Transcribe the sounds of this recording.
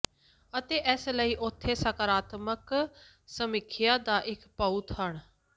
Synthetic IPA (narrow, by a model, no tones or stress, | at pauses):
ət̪eːʔɛːsləiːʔʊt̪ʰːeːsəkəɾaːt̪mək | səmɪkʰɪjaːd̪aːʔɪkpəut̪ɦəɳ